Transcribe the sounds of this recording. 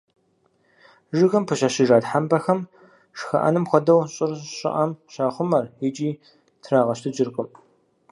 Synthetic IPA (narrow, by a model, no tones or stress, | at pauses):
ʒɨɣɐmpʰɨɕaɕɪʒaːdħambɐxɐm | ʂxɐ̰ʔɐ̰nɨmxʷɔdɐwɕʼɪrɕʼɪ̰ʔɐmɕaːχʷʊmɐrɪt͡ʃʼiː | tʰraːʁɐɕtʰɨd͡ʒɪrkʼʊm